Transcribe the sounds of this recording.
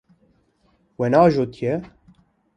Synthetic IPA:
wɛnɑːʒot̪ʰjɛ

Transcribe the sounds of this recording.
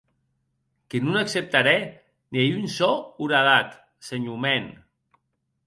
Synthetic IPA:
kenunaksep̚t̪aɾɛ | niejynsɔuɾaðat̪ | seɲumɛn

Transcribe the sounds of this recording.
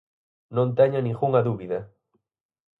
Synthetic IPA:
nõnt̪ɛɲʊnĩŋxuŋɐðuβiðɐ

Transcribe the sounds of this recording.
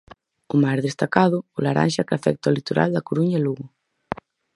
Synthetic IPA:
ʊmajzðest̪akaðʊʊlaɾʔa̰nʲʃakafɛk̚t̪aolit̪oɾa̰ld̪ɐkoɾuɲaluɣʊ

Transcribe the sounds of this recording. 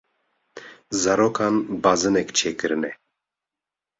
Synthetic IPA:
zaɾokʰanbazɨnɛkt͡ʃʰeːkɨɾɨnɛ

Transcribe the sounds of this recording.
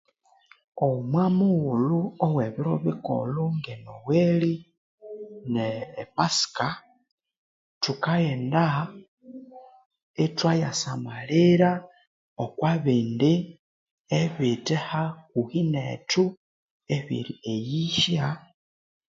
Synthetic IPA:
omwamuɣuluoweβiɾoβiko̰luŋɡenoweli | neːpasi̥ka | tukaeːnda | etwajasamaliɾa | okwaβiːndi | eβitehakuhinḛtu | eβḭɾiejiʃja

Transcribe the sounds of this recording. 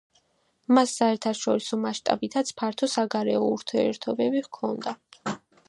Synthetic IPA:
masːaɛɾt̪ʰaʃɔɾisɔmaʃt̪ʼa̰bit̪ʰat̪sʰpʰaɾt̪ʰɔsaɡaɾɛɔuɾt̪ʰiɛ̰ɾt̪ʰɔbɛbivkʰɔnd̪a

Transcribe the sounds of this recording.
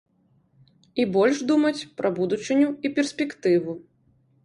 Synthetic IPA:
ibɔlʲʂd̪umɐt͡sʲpɾʔɐbud̪ut͡ʂɨnʲuipʲɛrsʲpʲɛkt̪ɨvu

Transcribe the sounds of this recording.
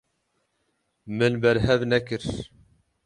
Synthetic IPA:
mɨnbɛɾɦɛvnɛkɨɾ

